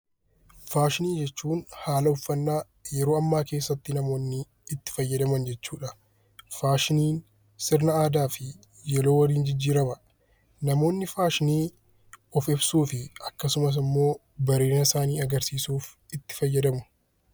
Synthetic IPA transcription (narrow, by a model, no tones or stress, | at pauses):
faːʃɪniːd͡ʒɛt͡ʃːuːnhaːlɐʊfːɐnːaː | jɛɾo̞ːɐmːaːke̞ːsːɐt̪ːɪnɐmo̞ːnːɪː | t̪ːɪ̥fɐjːɐd̪ɐmɐnd͡ʒɛt͡ʃːuːᶑɐ | faːʃɪniːn | sɪɾnɐaːd̪aːfɪ | jɛlo̞ːwɐliːnd͡ʒɪd͡ʒːiːɾɐmɐ | nɐmo̞ːnːɪfaːʃɪniː | ɔfɪbsuːfɪɐkːɐsʊmɐs̬ɪmːo̞ː | bɐɾe̞ːnɐsaːniːɐɡɐɾsiːsuːf | ɪt̪ːɪ̥fɐjːɐd̪ɐmʊ̥